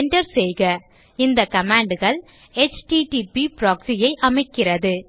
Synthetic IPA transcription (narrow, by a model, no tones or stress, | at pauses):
ɳɖɐɾsɛjɣɐ | ɪnd̪ɐkɐmaːɳɖɯɣɐɭ | ɛt͡ʃʈiʈipipɾaːksijɐɪʔɐmɐɪkːɪrɐðɯ